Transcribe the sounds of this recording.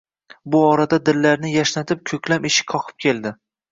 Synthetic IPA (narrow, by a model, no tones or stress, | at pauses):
bʊɒɾad̪ad̪ɪlːaɾnɪjaʃnat̪ʰɪp̚kʲʰɵkʲlamɪʃɪ̥kʰɒqʰɨ̥p̚kʲʰe̞lˠd̪ɪ